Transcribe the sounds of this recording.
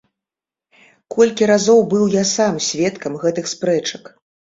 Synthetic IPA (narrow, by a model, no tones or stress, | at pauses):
kɔlʲkʲiɾazɔwbɨwjasamsʲvʲɛt̪kɐmɣɛt̪ɨxspɾɛt͡ʂɐk